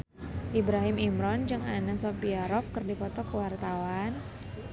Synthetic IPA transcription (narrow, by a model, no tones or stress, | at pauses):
ʔibɾaɦɪmimɾɔnd͡ʒɨŋanasɔpiaɾɔp̚kɨrdipɔt̪ɔkəwart̪awan